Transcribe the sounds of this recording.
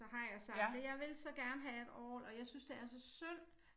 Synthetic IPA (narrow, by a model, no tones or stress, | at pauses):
ɒɦɑ̈jɑ̈ɪsɑ̈d̥əjɑ̈ɪʋe̝lsɒ̽ɡ̥æɐnəɦæe̝d̥ɒ̰ːlɒ̽jɑ̈ɪsynsd̥e̝æɐsɒ̽søn̰